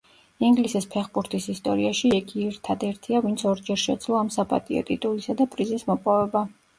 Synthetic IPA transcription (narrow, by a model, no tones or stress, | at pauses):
iŋɡlisispʰɛχbuɾt̪ʰisist̪ʼɔɾiaʃiɛɡʰiɛɾt̪ʰad̪ɛɾt̪ʰiavint̪sʰɔɾd͡ʒɛɾʃɛd̪z̥lˠɔamsapʼa̰t̪ʼḭɔ̰t̪ʼit̪ʼulisad̪apʼɾizismɔpʼɔvɛba